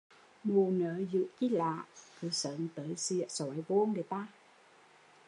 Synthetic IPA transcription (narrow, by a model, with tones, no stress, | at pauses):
mu˨˩nəː˨˦zɨ̰˧˨ki˧˥la̰ː˧˨ʔkɨ˨˦sə˨˦nt̪əː˨˦jsi˧˨əʔsɔ˨˦jvo˧nɗe˨˦t̪aː˧